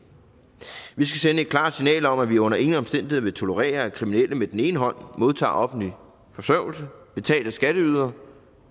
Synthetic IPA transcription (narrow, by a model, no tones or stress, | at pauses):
ʋisɡ̥æsenəe̝d̥̚kʰlɑ̰̥̈ːsinɛ̰ːlɒ̽mæʋiɔ̽n̰ɐe̝ŋn̩ɒmsd̥en̰d̥ihe̝̰ʋe̝t͡sʰo̝lo̝ʁɛ̰ːɐækʰʁiminel̰əmed̥ene̝ːnəɦɒ̽n̰mo̝ð̞ˠt͡sʰɑ̰̈ːɒ̽fn̩li | fɒ̽sœʊl̩səb̥e̝t͡sʰɛ̰ːldəsɡ̥æɾ̥əyːð̞ˠɐ